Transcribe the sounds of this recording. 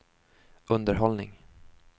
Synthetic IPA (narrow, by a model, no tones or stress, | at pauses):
ɵnd̪əɾɦɔlnɪ̰ŋ